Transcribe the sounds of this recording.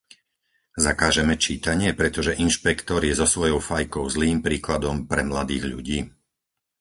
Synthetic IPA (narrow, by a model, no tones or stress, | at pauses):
zakaːʒɛmɛt͡ʃiːt̪aɲɪɛpɾɛt̪ɔʒɛʔinʃpɛkt̪ɔɾjɛzɔsʋɔjɔʊfajkɔʊzliːmpɾiːklad̪ɔmpɾɛmlad̪iːɣʎṵɟiː